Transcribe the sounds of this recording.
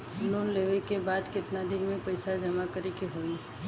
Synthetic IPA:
loːnleːʋekebaːd̪kɪt̪nad̪ɪnmẽpɐɪsad͡ʒɐmakɐɾekeɦoːi

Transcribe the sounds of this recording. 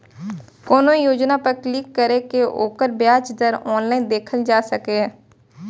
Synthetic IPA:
kɔːnojoːd͡ʒnapəɾklikːəɾekeʔoːkəɾbjaːt͡ʃd̪əɾɔːnlaːɪnd̪eːkʰəld͡ʒaːsəkeɦɛː

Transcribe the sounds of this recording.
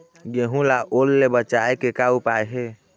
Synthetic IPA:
ɡeɦũlaʔolːebət͡ʃaekekaupajɦe

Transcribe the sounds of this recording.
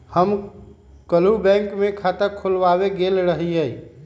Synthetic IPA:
həm | kəlubɛ̃ŋkmẽkʰat̪əɾkʰʊlwaweɡelɾəɦiɦəi

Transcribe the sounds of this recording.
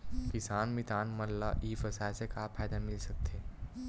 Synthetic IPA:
kɪsaːnmɪt̪aːnmɐlːaʔiːfɐsaːjsekapʰaːjd̪amɪlsɐk̚t̪ʰeː

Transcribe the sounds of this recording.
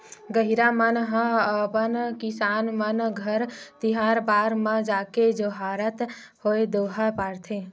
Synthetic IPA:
ɡəɦiɾamənɦə̃əpənkisaːnmənɡʱəɾt̪iɦaɾbaːɾməd͡ʒaked͡ʒoɦaɾət̪ | hoed̪oɦəpaɾt̪ʰe

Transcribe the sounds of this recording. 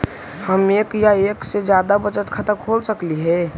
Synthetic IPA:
həmekjaeːksed͡ʒjaːd̪abət͡ʃət̪kʰət̪əkʰolsəkliɦɛ

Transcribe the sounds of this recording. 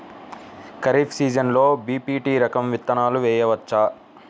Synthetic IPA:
kɐɾiːpʰsiːd͡ʒɐnlo̞ːbiːpiːʈiːɾɐkɐmʋit̪ːɐnaːluʋɛːjɐʋɐt͡ʃːaː

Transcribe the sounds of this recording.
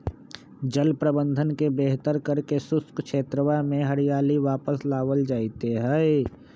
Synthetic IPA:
d͡ʒəlpɾəbə̃nd̪ʱənkebeɦt̪əɾkəɾkesʊskʃʰeːt̪ɾəwamẽɦəɾijaːliʋaːpəslaːʋəld͡ʒaːɪt̪eɦɛ̃

